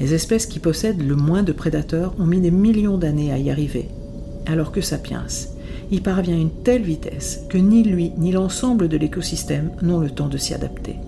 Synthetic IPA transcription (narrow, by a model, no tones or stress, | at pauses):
lezɛspɛskʲipɔsɛd̪ləmwɛ̃d̪əpχed̪at̪œʁɔ̃mid̪emiljɔ̃d̪aneaiaʁivḛ | alɔʁkəsapjɛ̰̃s | ilpaʁvjɛ̃ynt̪ɛlvit̪ɛ̰skənilɥinilɑ̃sɑ̃bləd̪əlekɔsist̪ɛmnɔ̃lət̪ɑ̃d̪əsia̰d̪a̰pt̪ʰḛ